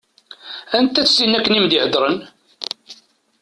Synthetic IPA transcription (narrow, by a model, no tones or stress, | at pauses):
ænt̪ːæt͡sːsinːækːənimd̪iʕəd̪ɾˤən